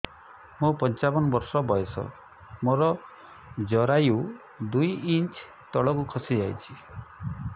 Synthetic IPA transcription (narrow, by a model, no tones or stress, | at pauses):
mupɔnt͡ʃabɔnɔbɔɾsɔbɔjesɔ̰ | moɾɔ | d͡ʒɔɾaju | d̪ujint͡ʃ | t̪ɔɭɔkukʰɔsid͡ʒajt͡ʃʰi